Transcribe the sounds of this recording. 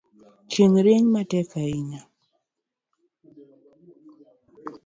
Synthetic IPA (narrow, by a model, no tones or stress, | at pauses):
t͡ʃeŋɾeɲmatɛkaɪɲa